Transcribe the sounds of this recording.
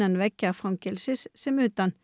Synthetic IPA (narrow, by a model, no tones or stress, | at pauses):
ənʋɛkəʁfʁɑŋkəlsɪssɛmʉːt̪ɑn